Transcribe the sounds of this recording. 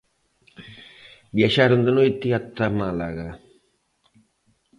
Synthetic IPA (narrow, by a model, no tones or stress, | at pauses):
bjaʃaɾond̪onojt̪iat̪ːamala̰ɣa